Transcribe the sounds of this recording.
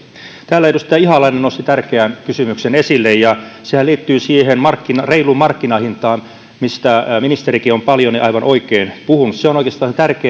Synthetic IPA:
t̪æːlːæeidust̪æːihɑlɑinenost̪it̪ærkeænkysymyksenesilːejjɑsehæliːt̪ːyːsiːhenmɑrkːinɑreilumɑrkːinɑhint̪ɑːm | mist̪æminist̪erikiompɑljoniʔɑiʋɑnʔoikeːnpuhunusseonoikeːst̪ɑːnset̪ærkeː

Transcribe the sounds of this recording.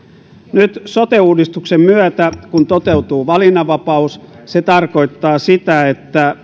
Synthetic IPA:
nyt̪sot̪euːdist̪uksemmyæt̪ækunt̪ot̪e̞ut̪uːʋɑlinːɑʋɑpɑus | set̪ɑrko̞it̪ːɑːsit̪æet̪ːæ

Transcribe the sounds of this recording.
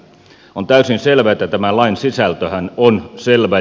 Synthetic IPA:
ont̪æysinselʋæet̪ːæt̪æmælɑinsisælt̪øhænonselʋæ

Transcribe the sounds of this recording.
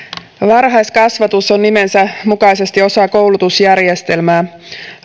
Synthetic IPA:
ʋɑrɦɑjskɑsʋɑt̪uso̞nːime̞nsæmukɑjse̞st̪io̞sɑːko̞wlut̪usjærje̞st̪e̞lmæː

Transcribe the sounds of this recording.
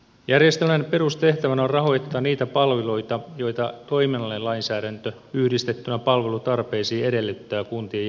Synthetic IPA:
jærjest̪elmænpe̞rust̪e̞ht̪æʋænæorrɑɦo̞jt̪ːɑːniːt̪æpɑlʋilojt̪ɑjo̞jt̪ɑt̪o̞imenɑlːelɑinsæːɾænt̪ø | yhdist̪e̞t̪ːynæpɑlʋe̞lut̪ɑrpe̞ːsiːe̞de̞lːet̪ːæːkunt̪ie

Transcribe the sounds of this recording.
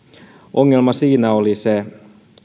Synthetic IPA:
ʔoŋːelmɑsiːnæolise

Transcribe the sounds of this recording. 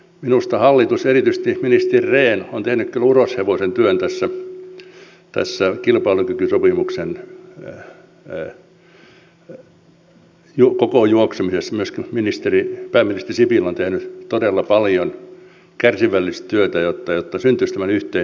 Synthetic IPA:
minust̪ɑhɑlːit̪userit̪yst̪iminist̪erʲreːnont̪ehnykkylurosheʋosent̪yønt̪æsːæ | t̪æ̰sːækilpɑilukykysopimuksen | jukokojuoksemisesːmyøskiminist̪eripæːminist̪erisipilːont̪ehnyt̪odelːɑpɑljon | kærsiʋælːist̪t̪yøt̪æjot̪ːɑjot̪ːɑsynt̪yst̪æmænyht̪ei

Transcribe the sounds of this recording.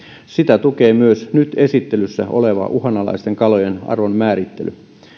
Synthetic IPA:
sit̪æt̪ukeːmyøsnyt̪e̞sit̪ːelysːæ̰ʔoleʋɑ̰ʔuɦɑnɑlɑ̰ist̪eŋkɑlojenɑ̰rʋonmæːɾit̪ːelʔy

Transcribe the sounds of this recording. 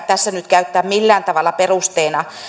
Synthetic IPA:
t̪æsːænyt̪kæyt̪ːæːmilːæːnt̪ɑʋɑlːˑɑperust̪eːnɑ

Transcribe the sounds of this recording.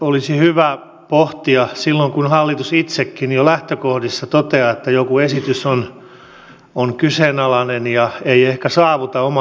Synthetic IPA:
olisihyʋæ | poht̪iɑsilːoŋkunhɑlːit̪usit̪sekːinijolæht̪økohdisːɑt̪ot̪eɑet̪ːæjokuesit̪yson | oŋkysenɑlɑnenjɑeiehkæsɑːʋut̪ɑomɑ

